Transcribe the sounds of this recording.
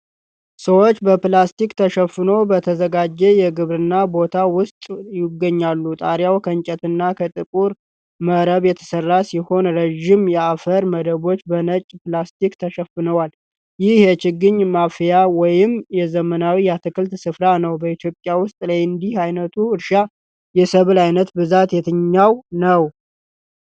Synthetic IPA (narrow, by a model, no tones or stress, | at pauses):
səwo̞t͡ʃːbəplast̪ʰikt̪ʰəʃəfɨno̞wbət̪ʰəzəɡad͡ʒːɛjɛɡɨβɾɨnːabo̞t̪ʰawʊst̪ʼjɪɡːəɲːalːut̪ʼaɾjawkʰəɲt͡ʃʼɛt̪ɨnːakʰət̪ʼɨkʼuɾ | məɾəβjɛt̪ʰə̥sərːasiho̞nɾeʒɪmjɛafəɾməd̪əβo̞t͡ʃːbənət͡ʃʼplast̪ikt̪ʰəʃəfːɨnəwal | jɪhjɛt͡ʃɪɡːɨɲːmafjawɔjɪmjɛzəmənawijɛat̪ʰɨkɨlt̪sɨfɾanəwbəit̪ʰjo̞pʼjawʊst̪ʼlajɨnd̪ihajnət̪ʰuɨɾʃa | jɛsəβɨlajnət̪bɨzat̪jɛt̪ʰɨɲːawnəw